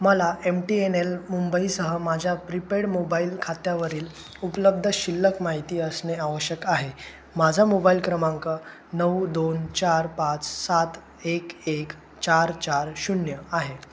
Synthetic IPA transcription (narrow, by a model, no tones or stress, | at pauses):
məlaʔemʈienelmumbəisəɦəmad͡ʑʱjapɾipeɽmobailkʰat̪jaʋəɾiːl | upləb̚d̪ʱəɕilːəkmaɦit̪iːəsneaʋəɕjəkaɦe | mad͡zʱamobailkɾəmãŋkə | nəwd̪ont͡ɕaɾpat͡ssat̪ | ekek | t͡ɕaɾt͡ɕaɾɕunjəaɦe